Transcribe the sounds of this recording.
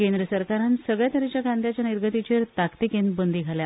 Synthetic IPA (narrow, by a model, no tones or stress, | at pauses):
kẽnd̪ɾəsəɾkaɾansəɡɭjat̪əɾet͡ɕjakãnd̪jat͡ɕjaniɾɡʱət̪it͡ɕeɾt̪akt̪ikenbənd̪ʱiɡʱalja